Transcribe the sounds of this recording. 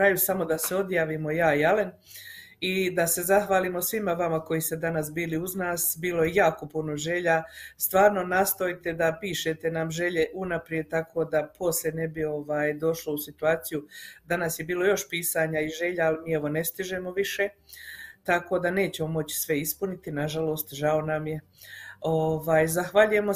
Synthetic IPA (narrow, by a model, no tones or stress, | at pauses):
kɾajusamo̞d̪aseo̞d̪jaːʋimo̞jaːialen | id̪ase̞zaxʋaːlimo̞sʋimaʋamako̞jist̪e̞d̪anas̬biːliuznaːsbiːlo̞jejaːko̞puno̞ʒe̞ʎast̪ʋaːɾno̞naːst̪o̞jt̪e̞d̪apiːʃe̞t̪e̞namʒe̞ʎe̞ʔunapɾije̞d̪̚t̪akʰo̞ːd̪apʰo̞sʎʲene̞bio̞ʋaːjd̪o̞ʃlousit̪uaːt̪sijud̪anasje̞biːlo̞jo̞ʃpiːsaːɲaiʒe̞ʎaalimiːeʋo̞nest̪iʒe̞mo̞ʋiʃe̞ | t̪ako̞d̪ane̞ːt͡ɕe̞mo̞mo̞t͡ɕi̥sʋe̞ispunit̪inaʒalo̞ːst̪ʒao̞namje̞ | oʋaːjzaxʋaʎuje̞mo